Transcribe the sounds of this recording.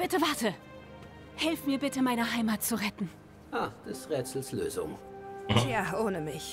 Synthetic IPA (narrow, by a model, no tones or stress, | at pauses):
b̥ɪtəvaɐtə | hɛlfmiːɐbɪtəmaɪnɐɦaɪmatt͡suʁɛtn̩ | jaːd̪̥ɛsʁɛːtsl̩slø̰ːsʊ̰ŋ | jaːʔoːnəmɪç